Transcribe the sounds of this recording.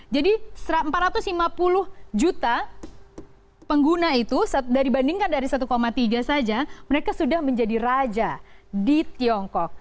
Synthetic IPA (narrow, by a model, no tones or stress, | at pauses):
d͡ʒadisəɾaəmpat̪̚ɾat̪ʊslimapulʊhd͡ʒut̪a | pəŋɡunait̪usadaibandiŋkandaɾisat̪ukomat̪iɡasad͡ʒaməɾekasudahməɲd͡ʒadirad͡ʒadit̪iɔŋkɔk̚